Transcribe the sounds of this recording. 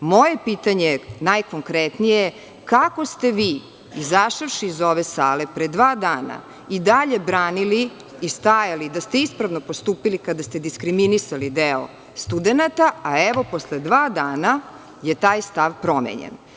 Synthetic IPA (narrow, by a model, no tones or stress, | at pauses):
mo̞je̞piːt̪aɲenajkoŋkɾɛt̪nije | kako̞st̪e̞ʋiː | izaʃaʋʃiːzo̞ʋesaːlepɾed̪ʋaːd̪aːna̰ | id̪aʎe̞bɾaːnili | ist̪ajalid̪ast̪eispɾaʋnopost̪uːpilikad̪ast̪e̞d̪iskɾiminisalid̪eo̰ | st̪ud̪enat̪aaeʋo̞posled̪ʋaːd̪aːna | jet̪aːjst̪aʋpɾo̞mḛɲḛn